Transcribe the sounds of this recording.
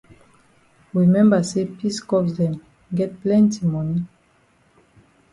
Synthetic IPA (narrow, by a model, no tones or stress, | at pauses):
ɹimɛ̃mbasepiskɔkdɛ̃m | ɡɛt̚plɛ̃ntimɔni